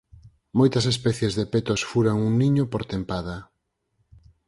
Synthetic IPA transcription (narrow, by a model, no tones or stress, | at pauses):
mojt̪ɐsespɛθjezðepet̪osfuɾaŋuŋniɲopoɾt̪empaðɐ